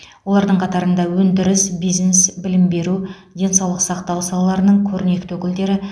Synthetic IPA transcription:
wo̞lˠɑɾd̪əɴqʰɑt̪ɑɾənd̪ɑwɵnd̪ɪɾɪsbijznesbɪlɪmbe̞ɾu | d̪ʲe̞nsɑwlˠəqsɑqt̪ɑwsɑlˠɑlˠɑɾənəɴkʲʰɵɾɪne̞kt̪ɵkʲɪld̪e̞ɾɪ

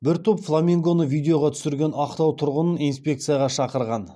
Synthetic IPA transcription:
bɪɾt̪ʰopflˠamʲiŋɡo̞nəvijd̪ʲe̞jo̞ʁɑt̪ʰʏ̥sɪɾɡʲe̞nɑqt̪ɑwt̪ʰʊɾʁənənijnspʲe̞k̚t̪sɨjaʁɑʃɑqəɾʁɑn

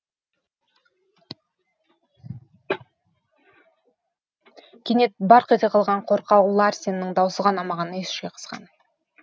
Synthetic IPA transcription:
kʲʰene̞t̪̚bɑɾqet̪eqʰɑlˠʁɑɴqʰo̞ɾqɑwlˠɑɾsenɪɪŋd̪ɑwsəʁɑnɑmɑʁɑnəesʃejqʰə̥z̥ʁɑ̰n

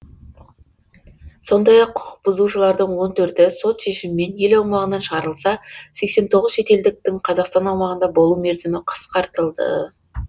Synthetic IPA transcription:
so̞nd̪ɑjɑqʰːʊ̥qə̥q̚bʊzuʃəlˠɑɾd̪əɴwo̞nt̪ʰɵɾt̪ɪso̞t̪ʃe̞ʃɪmɪme̞nje̞lɑwmɑʁənɑnʃəʁɑɾəlˠsɑse̞kse̞nt̪ʰo̞ʁəzʃe̞t̪e̞ld̪ɪk̚t̪ɪŋqʰɑzɑqst̪ɑnɑwmɑʁənd̪ɑbo̞lˠume̞ɾzɪmɪqʰə̥sqɑɾt̪əlˠd̪ə̰

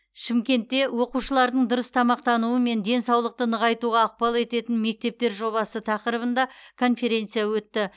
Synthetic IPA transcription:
ʃɪmkʲe̞nt̪ːe̞wo̞quʃəlˠɑɾd̪əɴd̪ʊɾəst̪ʰɑmɑq̚t̪ɑnuəme̞nd̪e̞nsɑwlˠəq̚t̪ənəʁɑjt̪uʁɑːq̚pɑlˠe̞t̪e̞t̪ɪnme̞k̚t̪e̞p̚t̪e̞ɾʒo̞βɑsət̪ʰɑqəɾəβənd̪ɑkʰo̞nfe̞ɾʲe̞nt̪sɨjawɵt̪ːɪ

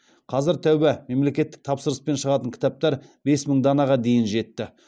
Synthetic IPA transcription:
qʰɑzɪɾt̪ʰæwbɪme̞mle̞kʲe̞t̪ːɪk̚t̪ʰɑpsəɾəspe̞nʃəʁɑt̪əŋkʲʰɪ̥t̪ɑp̚t̪ɑɾbe̞sməɴd̪ɑnɑʁɑd̪e̞jɪnʒe̞t̪ːɪ

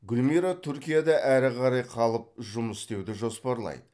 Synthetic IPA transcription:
ɡʲʊlmiɾat̪ʰʏɾkʲijad̪ɑʔæɾɪqʰɑɾɑjqʰɑlˠəp̚ʒʊməst̪e̞wd̪ɪʒo̞spɑɾlˠɑ̰jd̪ə

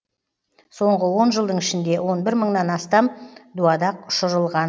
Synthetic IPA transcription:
so̞ɴʁəwo̞nʒəlˠd̪əɴɪʃɪnd̪e̞wo̞nbɪɾməɴnɑnɑst̪ɑmd̪uɑd̪ɑqʊ̥ʃəɾəlˠʁɑn

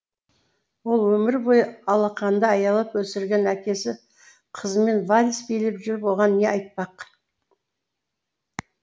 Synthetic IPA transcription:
wo̞lˠwɵmɪɾbo̞jəɑlˠɑqɑnd̪əɑjɑlˠəpwɵsɪɾɡʲe̞nækʲe̞sɪ | qʰəzəme̞nvalʲisbejlɪpʒʏɾɪpwoʁɑnːe̞ɑjt̪̚pɑq

